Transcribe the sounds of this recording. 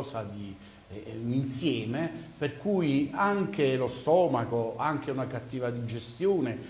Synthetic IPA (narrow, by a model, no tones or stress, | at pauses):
sad̪i | insjɛːmeperkujiaŋk̟elost̪ɔːmakoaŋk̟eunakat̪ːiːvad̪id͡ʒest̪joːne